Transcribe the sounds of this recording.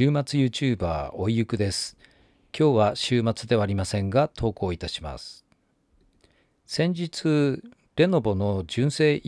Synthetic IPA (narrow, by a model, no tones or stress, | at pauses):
ɨːmat͡sɨjɯ̟ːt͡ɕɨːba̰ːo̞ijɯ̟kɯ̟d̪e̞sɨ̥ | kʲo̞ːβaɕɨːmat͡sɨd̪e̞βaːɾʲimasẽ̞ŋɡat̪ʰo̞ːko̞ːit̪aɕima̰sɨ̥ | sẽ̞ɲ̟d͡ʑit͡sɨ | ɾe̞no̞bo̞no̞d͡ʑɨ̃ɰ̃se̞ːʔ